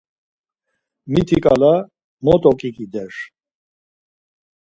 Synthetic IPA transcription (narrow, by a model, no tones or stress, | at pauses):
mit̪ʰikʼa̰la | mɔt̪ʼɔkʼikʼid̪ɛɾ